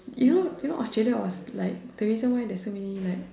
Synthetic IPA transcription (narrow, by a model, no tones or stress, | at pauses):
junojunõʔɔstɹeləwɔ̰slaɪk̚tɛwizə̃nwaɪdɛsomɛnilaɪk̚